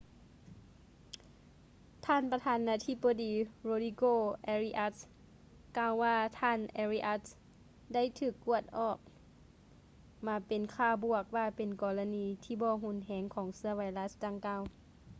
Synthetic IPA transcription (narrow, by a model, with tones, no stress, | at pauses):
t̪ʰaː˧˩˨npa˧t̪ʰaː˧˥nːaː˧˥t̪ʰi˧˥bɔ˧diː˨˦ɾoː˧diː˧koː˧˨ʔɛ˧ɾi˧ʔa˧˥t̪̚ | kaː˧˩˨wːaː˧˩t̪ʰaː˧˥˨nʔɛ˧ɾiː˧ʔa˧˥t̚ | da˥˨jt̪ʰɯː˧˩kːu˧˩ət̪̚ʔɔː˧˩k̚ | maː˨˧˥pe˨nkʰaː˧˩bu˧˩ək̚waː˧˩pe˨nkɔː˨˩la˧niː˧˦t̪ʰiː˧˩bɔː˧˦ɦu˧˥˨nɦɛː˨˦ŋkʰɔː˩˦ŋsɯ˧ɐʋa˨˦jla˦˥sdaː˧˩ŋkaː˧˩w